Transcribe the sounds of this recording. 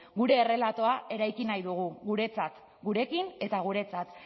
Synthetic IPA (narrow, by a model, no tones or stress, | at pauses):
ɡuɾe̞ːre̞lat̪o̞aʔe̞ɾajkinajðuɣ̞uɣuɾe̞t͡sat̪ | ɡuɾe̞kine̞t̪aɣ̞uɾe̞t͡sat̪